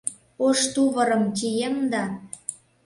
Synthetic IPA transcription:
oʃt̪uβɤ̆ɾə̆mtʲijemd̪ɑ

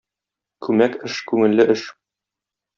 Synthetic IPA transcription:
kʉmækɘʃkʉŋɘ̆lːɘʔɘʃ

